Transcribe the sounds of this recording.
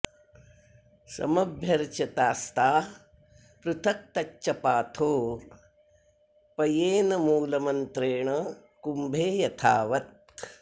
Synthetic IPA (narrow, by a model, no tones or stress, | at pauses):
sɐ̰mɐbʱjɐɾt͡ʃɐt̪aːst̪aː | pɾut̪ʰɐk̚t̪ɐt͡ʃt͡ʃːɐpaːt̪ʰoː | pɐjeːnɐmuːlɐmɐnt̪ɾeːɳɐ | kumbʱeːjɐt̪ʰaːʋɐt̪̚